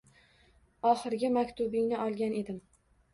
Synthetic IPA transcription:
ɒχɨɾɡʲɪmakʲt̪ʰʊbɪŋnɪʔɒlˠɡʲane̞d̪ɪm

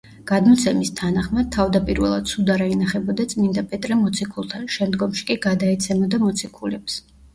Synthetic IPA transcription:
ɡ̥ad̪mɔt̪sʰɛmist̪ʰanaχmat̪ʰavd̪apʼiɾvɛ̰lˠad̪̚t̪sʰud̪aɾainaχɛbɔd̪at̪sʼmind̪apʼɛt̪ʼɾɛmɔt̪sʰikʰulˠt̪ʰanʃɛmd̪ɡɔmʃi̥kʼiɡad̪aɛt̪sʰɛmɔd̪amɔt̪sʰikʰulɛps

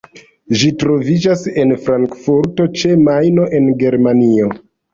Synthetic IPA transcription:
ʒitɾo̞vid͡ʒase̞nfɾaŋkfuɾto̞t͡ʃe̞majno̞ʔe̞nɡe̞ɾmanio̞

